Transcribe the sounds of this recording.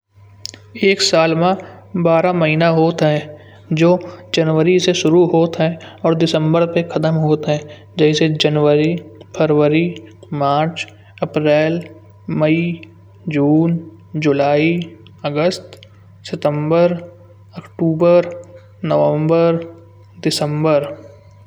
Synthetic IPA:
eːksaːlmã | baːɾaməɦiːnaɦoːt̪ɦɛ̃ | d͡ʒoːd͡ʒənʋəɾiseʃʊɾuɦoːt̪ɦɛ̃ɔːɾd̪ɪsə̃mbəɾpexʰɐt̪əmɦoːt̪ɦɛ̃ː | d͡ʒɛːsed͡ʒənʋəɾipʰəɾʋəɾimaːt͡ʃ | ɐpɾɛːl | mɐi | d͡ʒuːn | d͡ʒʊlaːi | əɡəst̪ | sɪt̪ə̃mbəɾ | əkʈuːbəɾ | nəʋə̃mbəɾ | d̪ɪsə̃mbəɾ

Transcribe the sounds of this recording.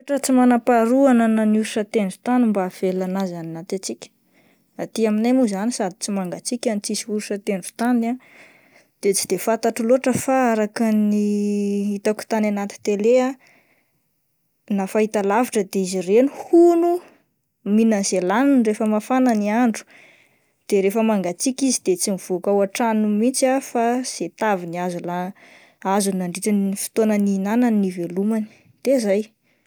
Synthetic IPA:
ʈ͡ʂət͡simanapaɾuananəniuɾiʃət̪eɳɖ͡ʐut̪animbav̥elanazannat̪at͡sikʲə̥ | at̪iaminemuzanisad̪i̥t͡simaŋɡat͡sikʲanit͡sisiuɾuʃət̪eɳɖ͡ʐu̥t̪ana | d̪̥et͡si̥d̪̥efat̪aʈ͡ʂuloʈ͡ʂəfaaɾakəniit̪aku̥t̪ananat̪i̥t̪elea | nafaɦit̪alaviʈ͡ʂəd̪eizirenuhunu | minənzelanunrefəmafananiaɳɖ͡ʐu̥ | d̪̥eɾefəmaŋɡat͡sikizid̪̥et͡simiv̥okawaʈ͡ʂanumit͡safaz̥et̪aviniazula | azunaɳɖ͡ʐiʈ͡ʂanifi̥t̪onəninananːivelumani̥ | d̪̥ezaj

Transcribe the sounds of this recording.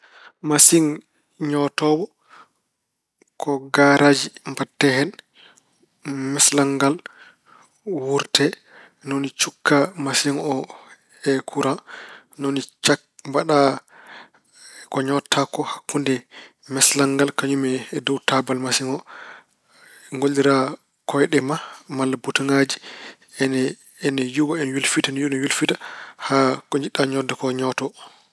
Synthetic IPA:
masiŋ | ɲɔtɔbɔ | kɔɡaɾʔad͡ʒimbatːɛhɛn | mɛslaŋɡal | wuɾtɛ | nonit͡ʃukːamasiŋɔ | ɛkʰuɾa | nɔnit͡ʃak̚mbaɗa | kɔɲɔtʰːakɔhakːundɛ | mɛslaŋɡalkaɲumɛdɔwtabalmasiŋɔ | ŋɡoldiɾa | kɔjɗɛmamalːabutuŋad͡ʒi | ɛn | ɛnɛjuwaɛnwilfitanjunwilfitahakɔɲd͡ʒiɗaɲɔdɔkɔɲɔtɔ

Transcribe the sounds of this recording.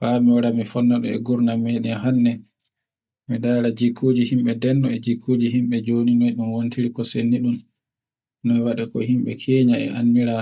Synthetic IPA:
famiwaɾamifɔnːaɗɔ̰ɛ̰ɡuɾnamɛɗɛhanːɛ | midaːɾad͡ʒikʰːod͡ʒihimɓɛdɛnːɔɛd͡ʒikʰːod͡ʒiɦimɓɛd͡ʒoninɔjɗunwontʰiɾikɔsenːiɗun | nɔjwaɗɛkɔ̰himɓɛ̰kʰɛːɲaɛ̰ʔanːiɾa

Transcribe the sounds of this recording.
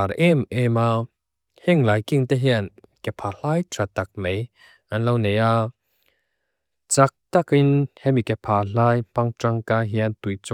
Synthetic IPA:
aɾʔɛmʔɛma | hɛŋlaːjkiŋt̪ɛɦiən | kɛpʰal̥ajt̪ʰɾat̪ak̚mej | ʔanlowneja | t͡sak̚t̪akinhɛmikɛpʰaːl̥aːjpaŋtraŋkaɦiant̪ujt͡s

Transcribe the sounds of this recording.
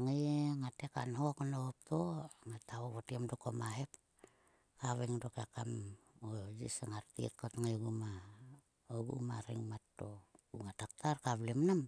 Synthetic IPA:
ŋejeŋatekanɦokanoop̚toŋatawoβotiemdokomaɦep | kaβeŋdokakamood͡ʒḭsaŋaɾtḭtkotŋejɡuma | oɡṵmaɾiŋmatːouŋatak̚tarkaβlemnam

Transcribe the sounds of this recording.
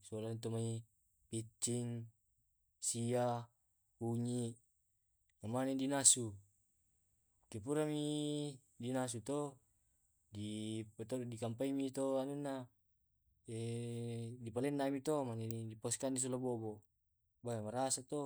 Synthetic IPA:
solant̪omai | pit͡ʃːiŋ | sia | puɲiʔ | namanedinasu | kepuɾami | dinas̬ut̪o | dipt̪odikampaimit̪oanunːa | e | dipalenːamit̪omanediposkandis̬olabobo | baamaɾasat̪o

